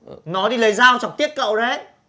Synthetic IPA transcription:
ʔnɔ˨˦ɗi˧lə˨˦jzaː˧wt͡ɕɔ˨˩wŋ͡m̚t̪i˦˥ət̚kə̰˧˨wzə˨˦

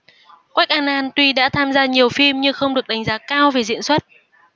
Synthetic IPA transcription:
kwa˦˥k̚ʔaː˧˩nʔaː˧nt̪wi˧ɗa̰ː˧˥t̪ʰaː˧mzaː˧ɲi˨˩əwfi˧mɲɨ˧xə˧wŋ͡mɗɨ˨˩ək̚ɗa˨˩ŋ̟zaː˨˦kaː˧wve˨˩zḭ˧˨ənswə˦˥t̚

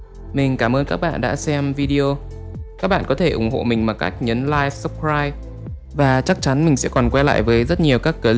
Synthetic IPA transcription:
mï˨˩ŋ̟kaː˧˩mʔəː˧nkaː˦˥k̚ɓa̰ː˧˨nɗa̰ː˧˥sɛ˧mvi˧ɗi˧o˧ | kaː˦˥k̚ɓa̰ː˧˨nkɔ˨˦t̪ʰe˧˩ʔʊ˧˩ŋ͡mho̰˧˨mï˨˩ŋmaː˨˩ka̰˦˥jk̟̚ɲəː˨˦nlaː˧jvsə˦˥p̚kɹaː˧j | vaː˨˩t͡ɕa˦˥k̚t͡ɕa˨˦nmï˨˩ŋ̟sɛ̰˧˥kɔ˨˩nkwɛ˧la̰ː˧˨jvəː˨˦jzə˦˥t̚ɲi˨˩əwkaː˦˥kːəː˨˩l

